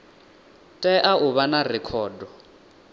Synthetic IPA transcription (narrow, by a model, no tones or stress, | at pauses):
tʼɛʔaʔʊβanarɛkʰɔːdɔ